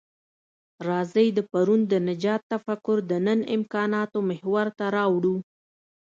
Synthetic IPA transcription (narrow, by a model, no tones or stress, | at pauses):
ɾɑzəjd̪əpaɾund̪ənɪd͡ʒɑt̪ːafakʊɾd̪ənənɪmkɑnɑt̪omɪhwaɾt̪aɾɑwɽu